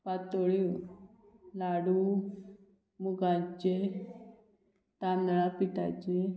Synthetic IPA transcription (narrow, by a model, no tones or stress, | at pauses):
pat̪oɭi | laɽu | muɡat͡ɕe | t̪andəɭapiʈa̰t͡ɕe